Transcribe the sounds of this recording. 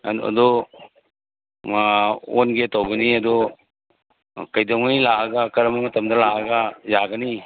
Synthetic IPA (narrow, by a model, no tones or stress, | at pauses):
ɐ̰d̪ɔ | onɡetawɡɐniɐd̪ɔ | kajdɔŋajlaaɡakɐɾɐmamɐtɐmdɐlaaɡajaɡɐni